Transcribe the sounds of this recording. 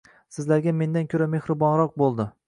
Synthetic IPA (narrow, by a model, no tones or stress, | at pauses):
sɪzlaɾɡʲame̞nd̪ankʲʰɵɾame̞hɾɪbɒnɾɒq̚bolˠd̪ɪ